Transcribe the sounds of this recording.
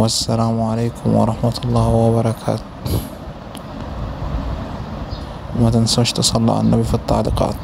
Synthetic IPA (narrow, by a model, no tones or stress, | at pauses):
wasːalaːmʕalejkʊmwɑ̰ɾˤɑħmat̪ʊlˤːɑːhwabɑɾˤɑkʰa̰ːt̪ | mat̪ansʃt̪sˤɑlːɑ̰ʕa̰nːabifit̪ˤːɑ̰ʕd̪ɪqɑ̰ːt̪